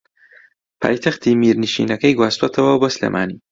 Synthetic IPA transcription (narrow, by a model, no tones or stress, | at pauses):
pʰa̰ːjt̪ʰɐxt̪imiːɾniʃḭːnɐkɐjɡwaːst̪wɐt̪ʰɐwɐboslḛːmʔa̰ːniː